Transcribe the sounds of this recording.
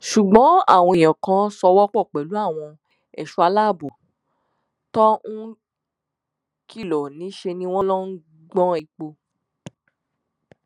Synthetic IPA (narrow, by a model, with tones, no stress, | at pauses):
ʃu˨ɡ͡bɔ̃˨˦a̰˦˨w̃ɔ̃˧i˨j̃ã˨kã˧sɔ˧wɔ˦k͡pɔ˦˨k͡pɛ˨lu˨˦a˦˨w̃ɔ̃˧ | ɛ˨ʃu˧˦a˧la˦˨bu˨ | tɔ˦ũ˦ | ki˦˨lɔ˨nĩ˨˦ʃe˧nĩ˦w̃ɔ̃˦lɔ̃˦n̩˦ | ɡ͡bɔ̃˦i˧k͡po˧